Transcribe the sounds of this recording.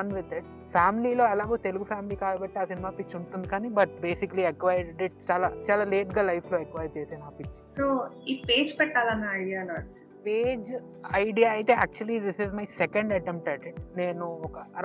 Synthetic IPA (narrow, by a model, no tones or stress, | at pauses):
ɐnʋid̪e | pʰaːmiliːlo̞ːɛlaːɡuːt̪e̞luɡupʰaːmiliːkaːlɐbɐʈːeaːsinimaːpit͡ʃːuɳʈund̪ikaːnibɐʈ̚be̞ːsikɐliekʋɐjɾɖiʈ̚t͡ʃaːlaːt͡ʃaːlaːle̞ːʈɡaːlɐjpʰlo̞ːekʋaːjɾt͡ʃejt̪eːnaːpit͡ʃːisoːiːpeːd͡ʒpɛʈːaːlɐnːɐɐjɽijaːloːɐt͡ʃː | peːd͡ʒ | ɐjɖijaɐjt̪eːa̰ːk̚t͡ʃuɐlid̪isizmɐjsɛkɐɳɖɐʈemp̚ʈɐʈne̞ːnuɔkɐ